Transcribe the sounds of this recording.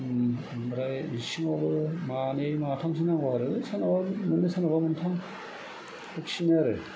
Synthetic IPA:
mɾajisiŋɔbɯmanejmatʰaŋs̬ʰinaŋɡaɾɯsanabamɯnesanabamɯntʰaŋ | pʰɯksinaɾɯ

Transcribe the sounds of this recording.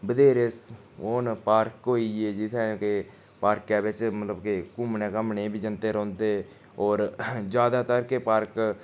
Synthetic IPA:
bəd̪eːɾes | oːnpaːɾkɦoːiːeːd͡ʒɪt̪ʰɛ̃ːõːke | paːɾkɛːbɪt͡ʃmət̪ləbkekʊmnẽːkəmneːbʱiːd͡ʒənt̪eːɾɔ̃ːnd̪eː | ɔːɾd͡ʒjaːd̪aːt̪əɾkeːpaːɾk

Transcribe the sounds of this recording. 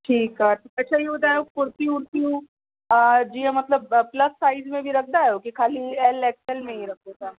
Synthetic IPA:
ʈʰiːkɦat̪ʰːɐtːʃʰaiod̪aːopʊɾt̪iʊɾt̪iũ | d͡ʒiemɐt̪ləbplɐsːaːɪzmẽbʱiɾɐk̚ʰd̪aɛokikʰaːliɛːlɛːksɛlmẽɦĩɾɐk̚d̪esʰa

